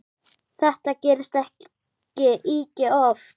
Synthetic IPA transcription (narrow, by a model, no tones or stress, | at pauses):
θɛht̪acɪːɾɪst̪ɛh | cɪʔiːcɪɔf